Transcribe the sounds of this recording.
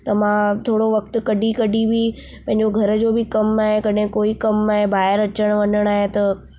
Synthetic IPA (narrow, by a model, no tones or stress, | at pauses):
t̪ɐmãt̪ʰoːɽoʋɐk̚t̪ʊ̆kɐɖikɐɖibi | pɐ̃ɦɪ̃ɲd͡ʑoɡʱɐɾə̆d͡ʑoːbɪkɐmaːɦekɐɗɦɪ̃koːikɐmaːɦebaːɦɪɾɐt͡ɕəɽ̃ʋɐɲəɽ̃aːɦet̪ɐ